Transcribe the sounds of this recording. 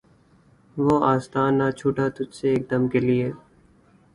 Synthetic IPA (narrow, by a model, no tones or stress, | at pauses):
ʋoːaːst̪aːnːaːt͡ʃʰuːʈaːt̪ʊd͡ʒseːk̚d̪əmkeːlɪeː